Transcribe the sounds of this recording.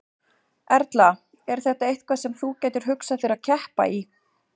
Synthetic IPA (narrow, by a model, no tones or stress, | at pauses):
ɛɾt̪la | ɛɾ̥θɛht̪aejht̪̚kʰvasɛmθucɛːjt̪ʏɾ̥ɦʏksaθeɪɾacʰɛhpa̰i